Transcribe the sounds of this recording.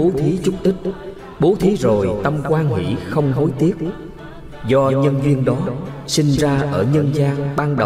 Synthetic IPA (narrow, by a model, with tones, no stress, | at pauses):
o˨˦t̪ʰi˨˦t͡ɕʊ˦˥k͡p̚t̪ï˦˥k̚ | ɓo˨˦t̪ʰi˨˦zo˨˩jt̪ə˧mkwaː˧nhḭ˧˩˨xə˧wŋ͡mɦo˨˦jt̪i˦˥əp̚ | zɔ˧ɲə˧nzi˧ənɗɔ˨˦sï˧ŋ̟zaː˧ʔəː˧˩ɲə˧nzaː˧ŋɓaː˧ŋɗə˨˩w